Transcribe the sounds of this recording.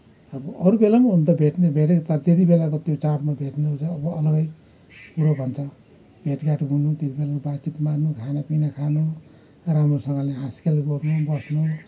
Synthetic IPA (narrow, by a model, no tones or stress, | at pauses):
bʌɾubelamaɦunt̪ʌbʱeʈnebʱeʈ̬ekt̪ʌɾʌt̪jet̪ibelakot̪jot͡sarʈmabʱeʈneod͡zaːbʌʌlʌɡʌj | puɾobʱʌnt͡sʰʌ | b̥ʱeʈɡaʈbʱunut̪jet̪ibelakobat͡sit̪marnukʰanapinakʰano | ramɾosʌŋɡaleɦaskelɡʌrnubʌsnu